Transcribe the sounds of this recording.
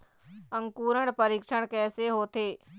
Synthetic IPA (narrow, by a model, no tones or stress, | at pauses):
ə̃ŋkuːɾəɳpəɾiːkʃəɽ̃kɛːseːɦoːt̪ʰeː